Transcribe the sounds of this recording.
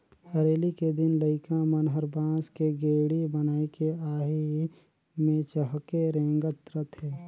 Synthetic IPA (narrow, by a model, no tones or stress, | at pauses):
əɾeːliked̪ɪnləɪkãmənɦəɾbãːskeɡeːɽibənaːekeaːɦi | mẽt͡ʃəɦkeɾẽːŋɡət̪ɾət̪ɦɛː